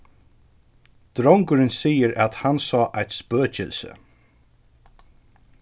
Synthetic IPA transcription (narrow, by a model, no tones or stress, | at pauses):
d̪̥ɾɔwŋkʊɾɪnsiːəɾæt̪hansɑːʔajt̪spøːcɪ̰lsə̰